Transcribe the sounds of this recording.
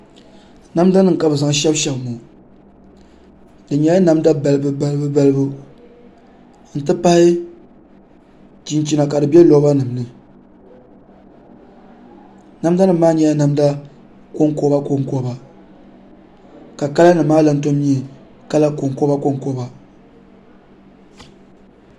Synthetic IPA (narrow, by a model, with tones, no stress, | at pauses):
na˦mda˦nɨ˨ŋ˨ka˨bɨ˨za˨ŋ˨ʃɛ˦bʃɛ˦bmo˨ | dɨ˨ɲɛ˨˦a˦na˨mda˦ba˨lɨ˦bɨ˦ba˦lbɨ˦ba˦lɨ˦bu˦ | n̩˨tɨ˦pa˦hɪ˦ | t͡ʃi˨nt͡ʃi˦na˨ka˨dɨ˨bɛ˦lɔ˨˦ba˦nɨ˨mnɨ˨ | na˦mda˦nɨ˨mːaː˦ɲɛ˦ja˦na˨mda˦ | ko˦ŋko˦ba˦ko˦ŋko˦ba˨ | ka˨ka˦la˦nɨ˨maː˦la˨˦n˦to˦mɲi˦˨ | ka˦la˦ko˨ŋko˦ba˦ko˦ŋko˦ba˨